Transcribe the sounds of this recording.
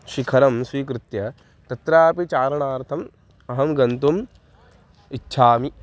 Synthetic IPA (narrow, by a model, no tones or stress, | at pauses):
ʃikʰɐɾɐmswiːkɾɪt̪jɐ | t̪ɐt̪ɾaːpit͡ʃaːɾɐɳaːɾt̪ʰɐm | ɐɦɐmɡɐnt̪um | itːʃʰaːmi